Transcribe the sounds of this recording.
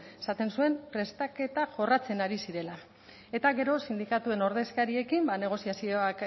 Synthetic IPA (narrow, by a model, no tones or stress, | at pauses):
esat̪e̞nsue̞mpɾe̞st̪ake̞t̪aʝo̞rat͡se̞naɾisiɾe̞la | e̞t̪aɣe̞ɾo̞sind̪ikat̪ue̞no̞ɾðe̞skaɾie̞kimbane̞ɣ̞o̞siasio̞ak